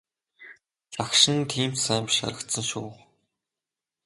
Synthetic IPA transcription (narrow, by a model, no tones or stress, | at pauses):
t͡sakʃɪ̆nt̪ʰiːmt̪sæːmpʃa̰ɾə̆kt̪sə̆nʃuː